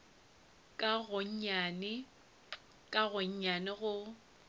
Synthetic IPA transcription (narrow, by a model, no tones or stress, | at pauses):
kʼaɣʊɲ̩ɲanɪ | kʼaɣʊɲ̩ɲanɪɣʊ